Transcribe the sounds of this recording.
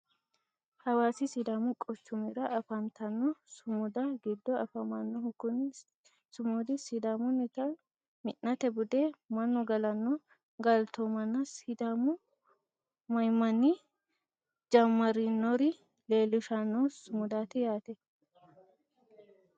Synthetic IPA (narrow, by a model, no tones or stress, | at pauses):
hɐwaːsɪsɪd̪aːmʊkʼɔt͡ʃːʊmɪɾɐʔɐfɐnt̪ɐnːɔsʊmʊd̪aɡɪd̪ːɔɐfɐmɐnːɔhʊkʊn | sʊmuːd̪ɪsɪd̪aːmʊnɪt̪ɐn | mɪʔɐt̪ɛbʊd̪eːmɐnːɔɡɐlɐnːɔ | ɡɐlt̪omɐnːɐsɪd̪aːmʊ | mɐjmɐnːi | d͡ʒɐmːɐɾɪnːɔɾɪ | leːlːʊʃanːɔsʊmʊd̪aːt̪ɪjaːt̪ɛ